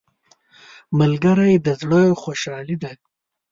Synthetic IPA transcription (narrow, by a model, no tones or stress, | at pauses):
məlɡəɾajd̪əzɽəjoxoʃɑlid̪a